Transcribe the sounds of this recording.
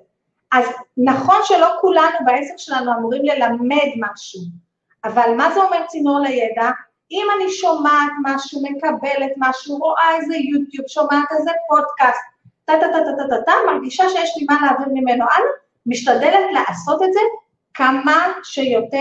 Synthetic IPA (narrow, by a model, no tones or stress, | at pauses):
ʔaznaχo̞nʃe̞lo̞kulanubaesekʃe̞lanuamuʁimle̞lamedmaʃu | ʔavalmazeo̞meʁt͡sinoʁlejeda | imaniʃomaːtmaʃume̞kabe̞let̪maʃuʁoʔaezejut̪jubʃo̞mat̪ezepo̞dkast̪̚ | tːat̪at̪at̪at̪at̪atamaʁɡiʃaʃejeʃlimanlaːviʁmime̞noʔal | miʃtadelet̪leʔaso̞t̪etze | kamaʃejo̞te